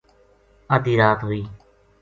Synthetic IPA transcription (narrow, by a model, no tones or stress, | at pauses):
əd̪iːɾaːt̪ɦoiː